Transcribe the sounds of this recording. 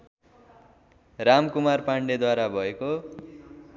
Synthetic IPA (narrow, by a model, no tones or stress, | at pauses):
ramkumarpaɳɖed̪waɾabʱʌeko